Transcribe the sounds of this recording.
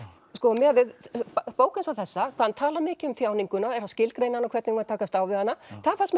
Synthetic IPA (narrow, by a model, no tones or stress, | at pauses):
skɔmɛvɪðppoːwkʏnsawθɛsːakʰvaːant̪ʰaːlaɾmɪːcɪʏmθjaːwniŋkʏnaɛɾ̥hascɪlkɾeːjnanɔkʰvɛɾt̪nɪɣmat̪ʰaːkast̪aːwvɪðhanːaθaanfasm